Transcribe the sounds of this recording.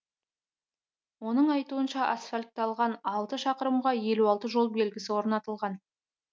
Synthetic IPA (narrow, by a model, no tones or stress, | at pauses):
wo̞nəɴɑjt̪uənʃɑʔasfalʲk̚t̪ːɑlˠʁɑnɑlˠt̪əʃɑqəɾəmʁɑje̞luɑlˠt̪əʒo̞lˠbe̞lɡʲɪsɪwo̞ɾnɑt̪əlˠʁɑn